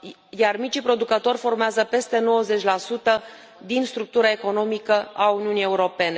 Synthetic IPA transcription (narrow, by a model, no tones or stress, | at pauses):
jarmit͡ʃipɾod̪ukət̪o̞rʲfo̞rmeazəpe̞st̪e̞no̞wəze̞t͡ʃʲlasut̪ə | d̪inst̪ɾuk̚t̪uɾae̞ko̞no̞mikəauniunije̞uɾo̞pe̞ne̞